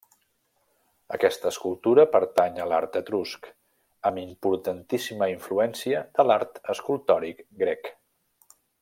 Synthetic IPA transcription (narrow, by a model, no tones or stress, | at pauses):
ə̰kɛst̪əːskulˠt̪uɾəpəɾt̪aɲəla̰ɾt̪ət̪ɾusk | əmimpuɾt̪ənt̪isiməiɱfluɛnsiəd̪əlaɾt̪əskulˠt̪ɔɾikɡɾɛk